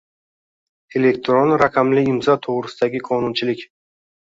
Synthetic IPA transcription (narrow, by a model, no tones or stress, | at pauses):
e̞lekt̪ɾonɾaqʰɑmlɪɪmzɒt̪ʰoʁɾɪsɪd̪aɡʲɪqʰɒnʊnt͡ʃʰɪlɪkʲ